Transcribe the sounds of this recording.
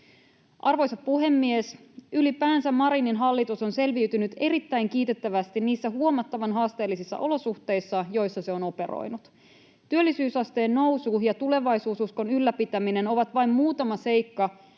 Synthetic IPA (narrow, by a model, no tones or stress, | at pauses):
ʔɑrʋo̞jsɑppuɦe̞mːies | ylipæːnsæmmɑɾininɦɑlːit̪uso̞nse̞lʋiɥt̪ynyt̪e̞ɾit̪ːæjŋk̟iːt̪e̞t̪ːæʋæst̪inniːsːæɦuo̞mɑt̪ːɑʋɑnɦɑːst̪e̞ːlːisisːɑ̰ʔo̞lo̞suht̪e̞jsːɑjo̞jsːɑse̞o̞no̞peɾo̰jnut̪ | t̪yølːisyːsɑst̪e̞ːnno̞wsujɑt̪ule̞ʋɑjsuːsusko̞nylːæpit̪æmine̞no̞ʋɑt̪ʋɑjmmuːt̪ɑmɑse̞jkːɑ